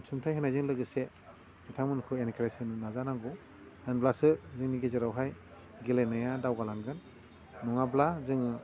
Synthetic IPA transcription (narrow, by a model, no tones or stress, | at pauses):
sʰumtʰajɦenajzɯŋlɯɡɯse | mitʰaŋmɯnkʰɯenkɾasinnazanaŋɡu | enblasɯzɯŋniɡezaɾawɦaj | ɡilajnajadawɡalaŋɡɯnː | ɔŋablazɯŋɯ